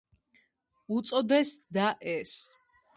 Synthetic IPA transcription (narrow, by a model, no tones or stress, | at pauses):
ut̪sʼɔd̪ɛsd̪aʔɛs